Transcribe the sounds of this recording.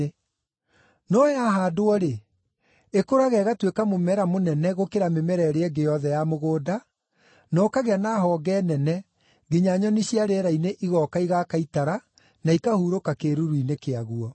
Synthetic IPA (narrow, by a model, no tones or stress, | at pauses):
nɔjaɦadoɔɾe | ekoɾaɣɛɣatwekamomɛɾamonɛnɛɣokeɾamemɛɾɛɾeɛɡejɔðɛjamoɣoːda | nɔkaɣeanaːɦɔɡɛːnɛnɛ | ɡeɲaɲɔniɕiaɾeɛɾaineʔiɣɔkaiɣakaitaɾa | naikahuɾokakeɾuɾuinekeaɣuɔ